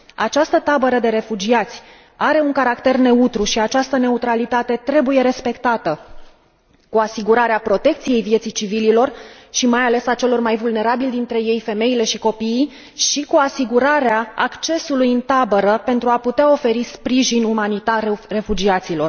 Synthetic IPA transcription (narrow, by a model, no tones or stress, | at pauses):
a̰t͡ʃast̪ət̪abəɾəd̪e̞ɾe̞fud͡ʒiat̪sʲ | aɾe̞uŋkaɾakt̪e̞rne̞ut̪ɾuʃiat͡ʃast̪əne̞ut̪ɾalit̪at̪e̞t̪ɾe̞buje̞ɾe̞spe̞kt̪at̪ə | kuasiɡuɾaɾeapɾo̞t̪e̞k̚t̪sije̞jvje̞t̪sit͡ʃivililo̞rʃimajale̞sat͡ʃe̞lo̞rmajvulne̞ɾabilʲd̪int̪ɾe̞je̞jfe̞me̞ile̞ʃiko̞piː | ʃikuasiɡuɾaɾeaa̰kt͡ʃe̞sulujɨnt̪abəɾəpe̞nt̪ɾuaput̪eao̞fe̞ɾispɾiʒinumanit̪arre̞fud͡ʒiat̪silo̞r